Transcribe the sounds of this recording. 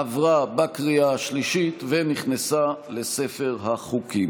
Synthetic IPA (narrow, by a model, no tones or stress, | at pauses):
avʁabakʁiaʃliʃit̪veniχnesale̞se̞fe̞ʁɦaχukim